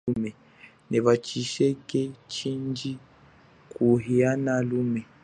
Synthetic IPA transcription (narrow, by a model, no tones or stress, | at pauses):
umɛ | nɛβat͡ʃiʃɛkɛt͡ʃind͡ʒi | kuɦianalumɛ